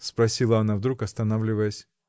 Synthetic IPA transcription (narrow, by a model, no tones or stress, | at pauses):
spɾɐsʲilˠɐɐnavd̪ɾukɐst̪ɐnavlʲɪvəjəsʲ